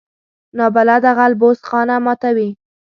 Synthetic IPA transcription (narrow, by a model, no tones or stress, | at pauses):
nɑbalad̪aɣalbost̪xɑnamɑt̪awi